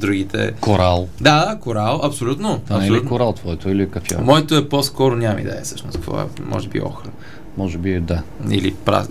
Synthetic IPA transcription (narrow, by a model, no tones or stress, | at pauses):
d̪ɾuɡʲit̪ɛ̰koɾalˠd̪adakoɾalˠɐpsolʲut̪noɐsɛoliut̪koɾalˠt̪vɔɛt̪oilikɐfɔ̰mɔɛt̪oɛposkɔɾonʲamɐ̰mḭd̪ɛ̰jəfsɤʃnost̪vɔ̰ɛ̰mʔɔ̰ʒɛbḭɔ̰xɾə | mɔʒɛbid̪aḭlipɾa̰